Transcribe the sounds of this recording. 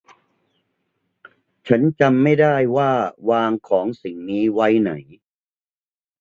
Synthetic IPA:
t͡ɕʰa˦˥nt͡ɕa˧mːa˥˩jdaː˥˩jwaː˥˩waː˧ŋkʰɔː˩˦ŋsi˨˩ŋniː˦˥wa˦˥jna˩˦j

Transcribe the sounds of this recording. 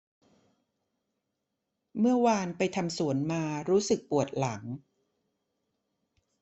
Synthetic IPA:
mɯ˥˩ɐwaː˧npa˧jt̪ʰa˧msu˨˩˦ənmaː˧ɾuː˦˥sɯ˨˩k̚pu˨˩ət̪̚la˩˦ŋ

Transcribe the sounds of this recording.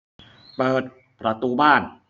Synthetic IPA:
pɤː˨˩t̪̚ | pɾa˧t̪uː˧baː˥˩n

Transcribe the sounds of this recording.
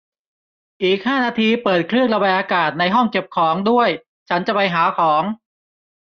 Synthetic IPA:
ʔiː˨˩k̚haː˥˩naː˧t̪ʰiː˧pɤː˨˩t̪̚kʰɾɯ˥˩əŋɾa˧ba˧jʔaː˧kaː˨˩t̪̚na˧jɦɔ˥˩ŋke˨˩p̚kʰɔː˩˦ŋdu˥˩əj | t͡ɕʰa˦˥nt͡ɕa˨˩pa˧jɦaː˩˦kʰɔː˩˦ŋ

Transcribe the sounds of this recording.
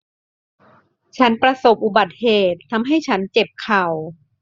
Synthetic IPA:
t͡ɕʰa˦˥npɾa˧so˨˩p̚ʔu˨˩ba˨˩t̪̚heː˨˩t̪ʰːa˧mɦa˥˩jt͡ɕʰa˦˥nt͡ɕe˨˩p̚kʰa˨˩w

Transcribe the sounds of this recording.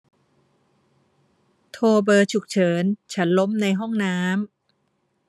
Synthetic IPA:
t̪ʰoː˧bɤː˧t͡ɕʰu˨˩k̚t͡ɕʰɤː˩˦nt͡ɕʰa˦˥nlo˦˥mna˧jɦɔ˥˩ŋnaː˦˥m

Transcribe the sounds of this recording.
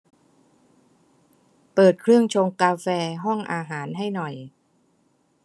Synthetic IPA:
pɤː˨˩t̪̚kʰɾɯ˥˩əŋt͡ɕʰoː˧ŋkaː˧fɛː˧ɦɔ˥˩ŋʔaː˧ɦaː˩˦nɦa˥˩jnɔ˨˩j

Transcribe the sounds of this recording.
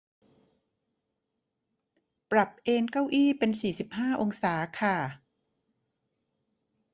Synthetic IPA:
pɾa˨˩p̚ʔeː˧nka˥˩wʔiː˥˩pe˧nsiː˨˩si˨˩p̚haː˥˩ʔo˧ŋsaː˩˦kʰa˥˩

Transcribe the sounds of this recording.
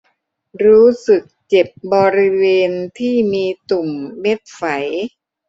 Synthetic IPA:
ɾuː˦˥sɯ˨˩k̚t͡ɕe˨˩p̚bɔː˧ɾi˦˥weː˧nt̪ʰiː˥˩miː˧t̪u˨˩mːe˦˥t̪̚fa˩˦j

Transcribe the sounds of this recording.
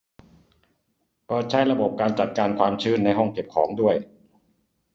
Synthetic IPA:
kɔː˧˩t͡ɕʰa˦˥˩jɾa˧bo˨˩p̚kaː˧nt͡ɕa˨˩t̪̚kaː˧nkʰwaː˧mt͡ɕʰɯː˥˩nːa˧jɦɔ˥˩ŋke˨˩p̚kʰɔː˩˦ŋdu˥˩əj

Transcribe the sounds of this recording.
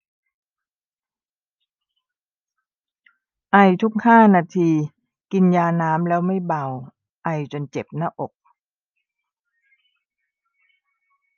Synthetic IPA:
ʔa˧jt̪ʰu˦˥k̚haː˥˩naː˧t̪ʰiː˧ | ki˧njaː˧naː˦˥mlɛː˦˥wma˥˩jba˧w | ʔa˧jt͡ɕo˧nt͡ɕe˨˩p̚naː˥˩ʔo˨˩k̚

